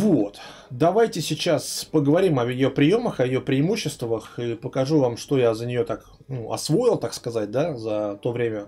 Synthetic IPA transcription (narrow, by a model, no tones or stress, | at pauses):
vo̞t̪ | d̪ɐvajtʲɪsʲɪt͡ɕaspəɡəvɐɾʲimɐɪjo̞pɾʲɪjo̞məxɐjɪjo̞pɾʲɪɪmuɕːɪst̪vəxipəkɐʐuvamʂt̪o̞jazənʲɪjo̞t̪ak | nuʔɐ̰svo̞jɪlˠt̪akskɐzat̚ʲd̪azɐt̪o̞vɾʲemʲə